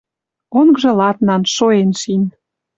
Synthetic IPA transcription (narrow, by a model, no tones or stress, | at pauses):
oŋɡʒɤ̆lɑt̪nɑnʃoenʃin